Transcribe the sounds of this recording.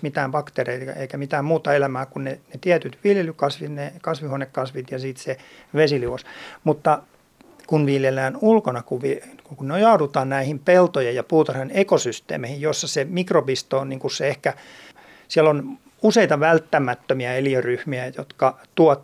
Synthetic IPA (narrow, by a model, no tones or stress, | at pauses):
mit̪æːmb̥ɑkt̪ereieikæmit̪æːmmuːt̪ɑelæmæːkunnenet̪iæt̪yt̪ʋiljelykɑsʋit̪nekɑsʋihonekkɑsʋit̪jɑsiːt̪seʋesiliʋosmut̪ːɑ | kunʋiljelːæːnulkonɑkuʋʋikukunneojɑudut̪ɑːnnæihimpelt̪ojejjɑpuːt̪ɑrenekosyst̪ḛːmehijjosːɑsemikropist̪oːnniŋkusseehkæ | siælon | useit̪ɑʋælt̪ːæmæt̪ːømiæeliøryhmiæjo̰t̪kɑt̪uɑt̪